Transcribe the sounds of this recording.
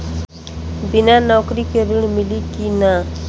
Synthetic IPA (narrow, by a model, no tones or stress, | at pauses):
binanɔkɾikeɾuɳmilikina